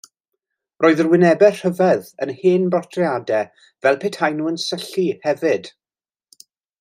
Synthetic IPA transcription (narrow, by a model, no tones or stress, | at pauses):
roːɨðərwɪnɛbɛrr̥əvɛðənheːnbɔtʰriadɛ | vɛlˠpʰetʰajnuːənsəɬihɛvɪd̥